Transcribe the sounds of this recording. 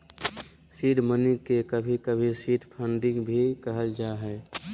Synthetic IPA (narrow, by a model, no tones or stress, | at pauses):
siːɖmənikekəbʱikəbʱisiːʈpʰə̃nɖikbʱikəɦəld͡ʒaɦɛː